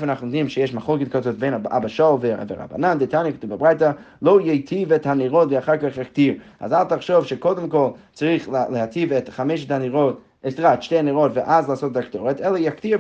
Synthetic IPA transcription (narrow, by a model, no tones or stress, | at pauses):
fənaχndimʃɪjɛʃmaχlˠokɪtkazɔtbena̰baʃɔlˠvɪvɪʁa̰ba̰nandɪtanjəktubabʁaɪtə | lˠoʊjejtʰivɛthaniʁɔtviaχaɾkaχjak̚tiɾa̰zalˠtaχʃovʃekodəmkɔlˠt͡sʁiːχləhatʰivɛtχamɛʃ̬ətaniʁɔt | ɛtʁatʃteɪniʁɔtvɪʔazlˠəasot̚daktɔʁɛtɛlˠəjaktiː